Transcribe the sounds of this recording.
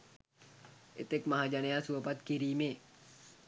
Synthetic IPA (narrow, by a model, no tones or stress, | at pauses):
ʔḛt̪ek̚maɦad͡ʒanejasuəpat̪̚kiɾiːme